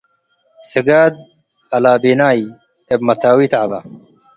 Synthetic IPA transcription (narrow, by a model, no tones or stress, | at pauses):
seɡaːd̪̚ | ɐlaːbeːnaːi | ebmɐt̪aːwit̪ʕabɐ̰